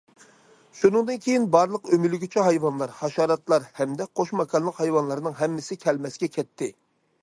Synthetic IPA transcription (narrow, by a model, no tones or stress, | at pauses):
ʃunɨŋd̪ɨnkʲʰejinbɑɾlˠəqømylɪɡʲit͡ʃʰɛɦɑjwɑnlˠɑɾhɑʃɑːɾɑt̪lˠɑɾhɛmd̪ɛqʰoʃmɑkʰɑnlˠəqhɑjwɑnlˠɑɾnɨŋɦɛmːɪsɪkʲʰɛlmɛsɡʲɛkʲʰɛt̪ʰːɪ